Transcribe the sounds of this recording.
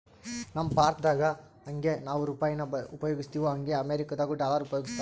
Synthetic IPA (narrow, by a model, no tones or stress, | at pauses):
nɐmːɐpaːɾt̪ʰd̪aːɡɐ | ɐŋɡe̞naːʋuɾupaːjɐnɐupɐjoːɡist̪iːʋoɦɐŋɡe̞ɐmeːɾikɐd̪aːɡuɖaːlaːɾupɐjoɡist̪ɐ